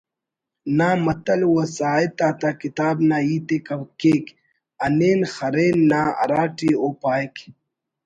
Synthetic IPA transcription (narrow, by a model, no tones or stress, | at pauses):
naːmɐt̪ɐlwɐsaːet̪aːt̪akit̪aːbnaːiːt̪ekɐwkeːk | ɐneːnxɐɾeːnːaːɐ̰ɾaːʈioːpaːjk